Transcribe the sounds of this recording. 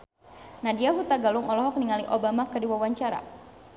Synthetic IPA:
nadiaɦut̪aɡalʊŋɔlɔɦɔk̚niŋaliʔobamakədiwawaɲt͡ʃaɾa̰

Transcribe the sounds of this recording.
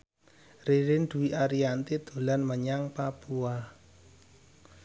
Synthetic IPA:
riɾɪnd̪̥ṳwiʔaɾiant̪id̪̥o̤lanməɲaŋpapua

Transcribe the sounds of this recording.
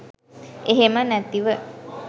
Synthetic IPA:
eɦemənæt̪iʋə

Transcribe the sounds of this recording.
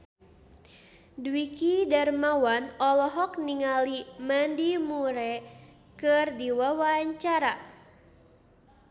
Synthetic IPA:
dwikidarmawanɔlɔɦɔk̚niŋalimandimuɾɛ | kɨrdiwawaɲt͡ʃaɾa

